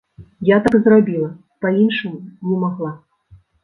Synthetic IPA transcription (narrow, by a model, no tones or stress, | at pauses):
jat̪aɡzrabʲilˠɐ | painʂɨmunʲɛmaɣlˠa